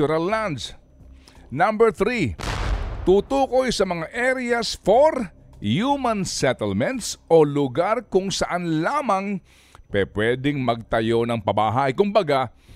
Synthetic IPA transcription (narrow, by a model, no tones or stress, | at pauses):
uɾɐlːand̪s | nambɛɹθɾi | t̪uːt̪uːkojsɐmɐŋaʔɛɾɛjɐsfoɾ | jumɐnsɛt̪ɛlmɛnt̪sʔolʊɡaɾkʊŋsɐʔanlaːmɐŋ | pɛpwɛd̪ɪŋmɐɡ̚t̪ɐjo̞nɐŋpɐbaːɦajkʊmbɐɡa